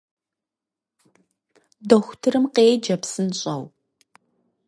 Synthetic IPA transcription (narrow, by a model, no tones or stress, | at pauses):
dɐxʷʊtʰɨɾɨmqeːjd͡ʒɐpsɨnɕʼɐw